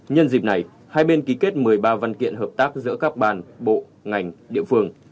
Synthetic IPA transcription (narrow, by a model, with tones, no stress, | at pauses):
ɲə˧nzi˨˩p̚na˨˩j | haː˧jɓe˧nki˨˦ke˦˥t̚mɨ˨˩əjɓaː˧va˧nkḭ˧˨ənɦəː˨˩p̚t̪aː˦˥k̚zɨ̰˧˥əkaː˦˥k̚ɓaː˧˩nɓo̰˧˨ | ŋa˨˩jŋ̟ɗḭ˧˨əfɨ˧əŋ